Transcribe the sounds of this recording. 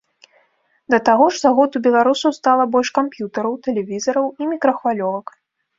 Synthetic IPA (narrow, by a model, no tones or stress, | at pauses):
d̪ɐt̪aɣɔʐzaɣɔd̪ubʲɛlˠaɾusɐwst̪alˠɐbɔlʲʂkampjut̪ɐɾɐwt̪ɛlʲɛvʲizɐɾɐwimʲikɾɐxvalʲɔvɐk